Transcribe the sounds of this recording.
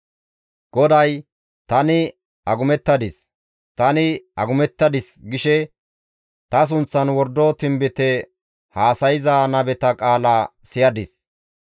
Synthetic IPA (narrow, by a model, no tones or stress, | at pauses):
ɡ̥ɔd̪ɐj | t̪ɐnɪ | ɐɡʊmɛt̪ːɐd̪ɪs | t̪ɐnɪɐɡʊmɛt̪ːɐd̪ɪsɡɪʃɛ | t̪ɐs̬ʊnt͡sːɐnwɔɾd̪ot̪ɪmbɪt̪ɛ | haːsɐjɪzɐːnɐbɛt̪ɐkʼaːlɐsɪjɐd̪ɪs